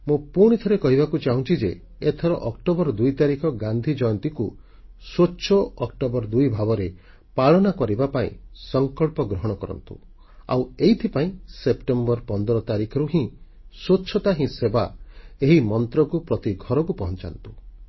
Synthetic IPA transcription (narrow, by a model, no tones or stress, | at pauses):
mũpuɽ̃it̪ʰɔɾekɔɦibakut͡ʃaɦũnt͡ʃid͡ʒe | et̪ʰɔɾɔʔɔkʈobɔɾɔd̪ujt̪aɾikʰɔɡand̪ʱid͡ʒɔjɔnt̪iku | soːʃʰɔɔkʈɔbɔɾd̪ujbʱabɔɾe | paɭɔnakɔɾibapaḭ̃sɔŋkɔɭpɔɡɾɔɦɔɽ̃ɔkɔɾɔ̰nt̪ṵ | a̰weit̪ʰipaĩsepʈembɔɾpɔnd̪ɔɾɔt̪aɾikʰɔɾuɦĩ | sotːt͡ʃʰɔt̪aɦĩsebaeɦimɔnt̪ɾɔkupɾɔt̪iɡʱɔɾɔkupɔɦɔnt͡ʃa̰nt̪u̥